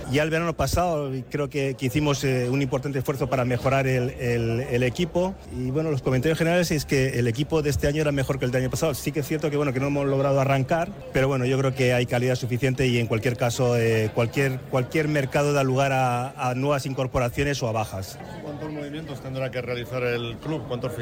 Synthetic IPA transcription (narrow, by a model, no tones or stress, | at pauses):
ʝaelβe̞ɾano̞pasaokɾeoke̞keiθimo̞seunĩmpoɾt̪ant̪esfweθo̞paɾame̞xo̞ɾaɾelelele̞kipo̞ | iβwe̞no̞loskomnt̪aɾjoxeneɾale̞seske̞ːle̞kipo̞ðee̞st̪e̞aɲoeɾame̞xo̞ɾke̞ld̪eaɲopasaosikeesθje̞ɾt̪o̞keweno̞ke̞noemo̞zlo̞ɣ̞ɾað̞oaraŋkaɾ | pe̞ɾo̞βweno̞ʝo̞kɾe̞ok̬e̞ajkaliðasufiθjent̪e̞ie̞ŋkwalkje̞ɾkaso̞ekwalkje̞ɾkwalkje̞ɾme̞ɾkaðo̞ð̞aluɣ̞aɾaːnwe̞βasiŋko̞ɾpo̞ɾaθjo̞ne̞so̞aβ̞axas | kwant̪ozmoβimjent̪ost̪end̪ɾakerealiθaɾelkluβkwant̪of